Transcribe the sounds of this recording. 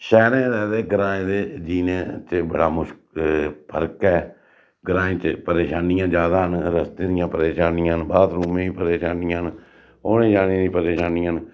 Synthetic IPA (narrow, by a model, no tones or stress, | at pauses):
ʃɛːɾẽːɾɛːd̪eːɡəɾaːẽːd̪eːd͡ʒiːnẽːt͡ʃbə̰ɽa̰ːmʊʃkpʰəɾkɛː | ɡəɾãːĩːt͡ʃpəɾeːʃaːnɪjãːd͡ʒaːd̪aːɦənɾəst̪ẽːd̪ɪjãːpəɾeːʃaːnɪ̃ãnbaːt̪ɾuːmẽːĩpəɾeːʃaːnɪjãːɦn | oːnẽːd͡ʒaːnẽːd̪ĩːpəɾeːʃaːniːãn